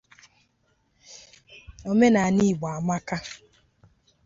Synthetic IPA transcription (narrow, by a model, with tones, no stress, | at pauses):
o˦me˦na˨ni˦˨ɡ͡ba˨a˨ma˦ka˦